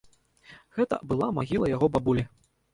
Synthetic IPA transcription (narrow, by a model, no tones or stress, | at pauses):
ɣɛt̪ɐ̰bɨlˠamaɣʲilˠɐjaɣɔbabulʲi